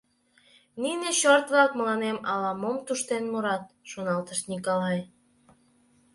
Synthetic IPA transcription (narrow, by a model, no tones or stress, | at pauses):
nineɕort̪βlɑkməlɑnemɑlɑmomt̪uʃt̪enmuɾɑt̪̚ʃonɑlt̪əʃt̪nʲikolɑj